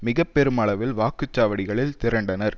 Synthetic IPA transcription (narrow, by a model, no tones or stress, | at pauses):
mɪɣɐpːɛɾɯmɐɭɐʋɪlʋaːkɯt͡ʃːaːʋɐɽɪɣɐɭɪlt̪ɪɾɐɳɖɐnɐɾ